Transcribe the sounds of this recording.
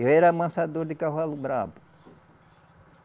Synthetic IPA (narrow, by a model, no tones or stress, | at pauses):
ewɛɾɐamɐ̃sad̪oɾd̪ɪkavalubɾavʊ